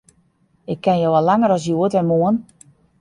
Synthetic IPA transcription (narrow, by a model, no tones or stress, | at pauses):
ɪkʰːɛnjoalaŋəɾɔs̬juətɛnmuən